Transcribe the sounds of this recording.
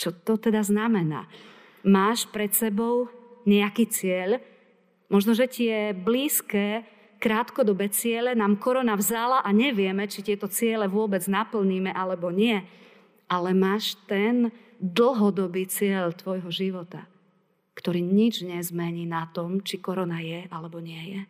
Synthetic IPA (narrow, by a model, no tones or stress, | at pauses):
t͡ʃɔt̪ɔt̪ɛd̪aznamɛna̰ː | maːʃpɾɛt̪sɛbɔʊɲɛakiːt͡sɪɛʎ | mɔʒnɔʒɛt̪ɪɛbliːskɛː | kɾaːt̪kɔd̪ɔbɛt͡sɪɛlɛnaːmkɔɾɔnavzalaʔaɲɛʋɪɛmɛt͡ʃit̪ɪɛt̪ɔt͡sɪɛlɛʋʊɔbɛd͡znapl̩ɲiːmɛʔalɛbɔɲɪɛ | ʔalɛmaːʃt̪ɛn | d̪l̩ɦɔd̪ɔbiːt͡sɪɛʎt̪ʋɔjɦɔʒiʋɔt̪a | kt̪ɔɾiːɲid͡ʒɲɛzmɛɲiːnat̪ɔmt͡ʃikɔɾɔnajɛʔalɛbɔɲɪɛjɛ